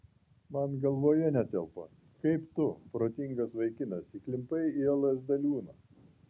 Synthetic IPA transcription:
mɐnɡɐlˠʋoːjɛnʲɛt̪ʲɛlˠpɐ | kɐɪpt̪ʊpɾoːt̪ʲɪŋɡɐsʋɐɪkʲɪnɐsiklʲɪmpɐɪiɛlˠɐsd̪ɐlʲuːnɐ

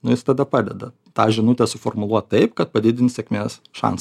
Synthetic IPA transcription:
nʊjɪst̪ɐd̪ɐpɑːd̪ʲɛd̪ɐ | t̪ɑːʒʲɪnʊt̪ʲɛːsʊfɔrmʊlˠuɔt̪̚t̪ɐɪpkɐt̪̚pɐd̪ʲɪd̪ʲɪnʲsʲɛkʲmʲeːsʃɑ̰ns

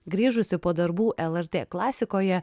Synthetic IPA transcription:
ɡɾʲiːʒʊsʲɪpoːd̪ɐɾbuːʔɛlˠɛɾʲt̪ʲeːklˠɑːsʲɪkoːjɛ

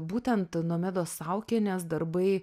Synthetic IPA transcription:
buːt̪ʲɛnt̪nuɔmʲæːd̪oːsɐʊkʲenʲɛsd̪ɐɾbɐɪ

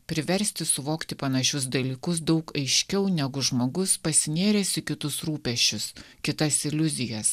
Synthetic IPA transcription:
pʲɾʲɪʋʲɛɾʲsʲt̪ʲɪsʊʋoːkt̪ʲɪpɐnɐʃʲʊsd̪ɐlʲiːkʊsd̪ɐʊkɐɪʃʲkʲɛʊnʲɛɡʊʒmoːɡʊspɐsʲɪnʲeːɾʲɛsʲɪkʲɪt̪ʊsɾuːpʲɛʃʲt͡ʃʲʊs | kʲɪt̪ɐsɪlʲʊzʲɪjɛs

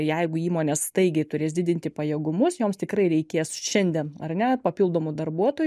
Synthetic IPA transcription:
jɛɪɡʊiːmoːnʲeːsst̪ɐɪɡʲɛɪt̪ʊɾʲeːsdʲɪd̪ʲɪnʲt̪ʲɪpɐjeːɡʊmʊsjoːmst̪ʲɪkɾɐɪɾʲɛɪkʲeːsʃʲɛnʲd̪ʲeɛnɐ̰rnʲɛpɐpʲɪlˠd̪oːmʊd̪ɐrbuɔt̪oːj

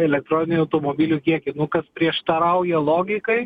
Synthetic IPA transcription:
ɛlʲɛk̚t̪ɾoːnʲɪnʲɪnʲuɐʊt̪oːmoːbʲiːlʲuːkʲiɛkʲɪnʊkɐspʲɾʲiɛʃt̪ɐɾɐʊjɛlˠoːɡʲɪkɐɪ

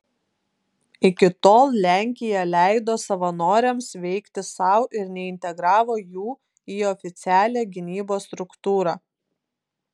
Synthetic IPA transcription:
ɪkʲɪt̪oːlˠlʲæˑŋʲkʲɪjɛlʲæˑɪd̪oːsɐʋɐnoːɾʲɛmsʋʲɛɪkt̪ʲɪsɑʊʔɪɾnʲɛɪnʲt̪ʲɛɡɾɑːʋoːjuː | iːɔfʲɪt̪sʲæːlʲeːɡʲɪnʲiːboːst̪ɾʊkt̪uːɾɑː

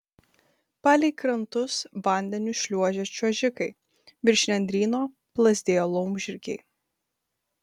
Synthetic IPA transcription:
pɑːlʲɛɪkɾɐnt̪ʊsʋɐˑnʲd̪ʲɛnʲʊʃʲlʲuɔʒʲɛt͡ʃʲuɔʒʲɪkɐɪ | bʲɪɾʲʃʲnʲɛnʲd̪ʲɾʲiːnoː | plˠɐzʲd̪ʲeːjoːlˠɔʊmʲʒʲɪɾʲkʲɛ̰ɪ

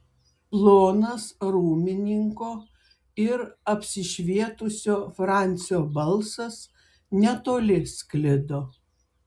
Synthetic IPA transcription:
plˠoːnɐsɾuːmʲɪnʲɪŋkoː | ɪɾɐpʲsʲɪʃʲʋʲiɛt̪ʊsʲoːfɾɑˑnʲt̪sʲɪjoːbɐlˠsɐs | nʲɛt̪oːlʲɪsʲklʲɪd̪oː

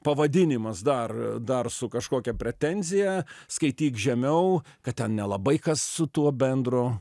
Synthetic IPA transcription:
pɐʋɐd̪ʲɪnʲɪmɐsd̪ɐrd̪ɐrsʊkɐʃkoːkʲɛpʲɾʲɛt̪ʲɛnʲzʲɪjɛskɐɪt̪ʲiːkʒʲɛmʲɛʊkɐtt̪ʲɛnnʲɛlˠɐbɐɪkɐssʊt̪uɔbʲɛnd̪ɾoː

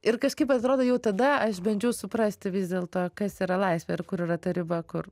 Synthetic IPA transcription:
ɪɾkɐʃkɐɪpɐt̪ɾoːd̪oːjɛʊt̪ɐd̪ɐɐʃbʲɐnʲd͡ʒʲɛʊsʊpɾɐsʲt̪ʲɪʋʲɪzd̪ʲeːlˠt̪oːkɐsiːɾɐlˠɐɪsʲʋʲɛɪrkʊɾɪːrɐt̪ɐɾʲɪbɐkʊr

